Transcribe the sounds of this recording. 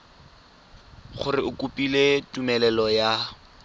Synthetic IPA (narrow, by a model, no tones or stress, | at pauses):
χʊrɪʊkʼupʼiletʼumɛlɛlɔja